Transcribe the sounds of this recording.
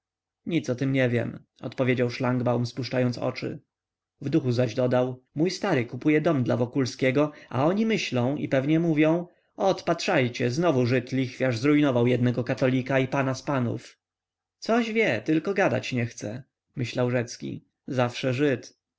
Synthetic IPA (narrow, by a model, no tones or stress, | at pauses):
ɲit̪sɔt̪ɘmɲɛvʲjɛ̰m | ɔ̰t̪pɔvʲjed͡ʑawʂlaŋɡbawmspuʂt͡ʂajɔnt̪sɔ̰t͡ʂɘ̰ | vd̪uxuzaʑd̪ɔd̪awmujst̪aɾɘkupujɛd̪ɔmd̪lavɔkulskʲɛɡɔʔa̰ɔɲimɘɕlɔ̃w̃ḭpɛvɲɛmuvʲjɔ̃w̃ | ɔt̪pat̪ʂajt͡ɕɛznɔvuʐɘt̪lʲixfʲjaʐzɾujnɔvawjɛd̪nɛɡɔkat̪ɔlʲikaipanaspanṵf | t̪sɔʑvʲjɛt̪ɘlkɔɡad̪a̰t͡ɕɲɛxt̪sɛ̰ | mɘɕlawʐɛt̪skʲḭ | zafʂɛʐɘt̪